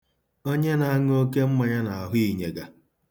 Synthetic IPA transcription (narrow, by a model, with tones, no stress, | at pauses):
o˦ɲe˦na˨˦ŋ˦o˦ke˦m̩˦ma˨ɲa˦na˨a˨ɦʊ˦i˨ɲe˨ɡa˨